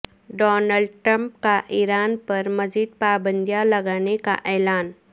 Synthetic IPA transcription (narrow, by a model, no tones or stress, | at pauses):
ɖɔːnəlɖʈɾə̃mp̚kaʔiːɾaːnpɐɾmɐd͡ʒiːd̪̚paːbə̃nd̪ʱjalɐɡaːneka̰ʔɛːlaːn